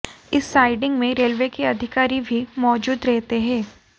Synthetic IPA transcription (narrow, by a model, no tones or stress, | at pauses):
ɪsːaːɪɖɪ̃ŋɡmẽɾeːlʋekeɐd̪ʱɪkaːɾibʱimɔːd͡ʒuːd̪ɾɛɦt̪eɦɛ̃ː